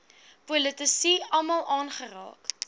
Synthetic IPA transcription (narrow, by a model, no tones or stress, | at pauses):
pulətəsiɐlˠmɑlˠʔɑːnχərɑ̰ːk